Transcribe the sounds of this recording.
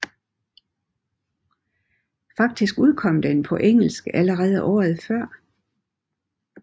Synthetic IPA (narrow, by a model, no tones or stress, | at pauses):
fɑ̈ɡ̥̚d̥isɡ̥uð̞ˠkʰɒ̽m̰d̥enpʰɒ̽ʔeŋ̰l̩sɡ̥əʔæləʁɛːð̞̩ˠəʔɒ̰ːð̩ˠfɶɐ̰